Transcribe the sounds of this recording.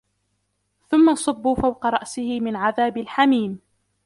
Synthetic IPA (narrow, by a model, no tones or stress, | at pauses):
θʊmːasˤʊbːuːfawqɑɾˤɑʔsɪhɪmɪnʕaðaːbɪlħamiːm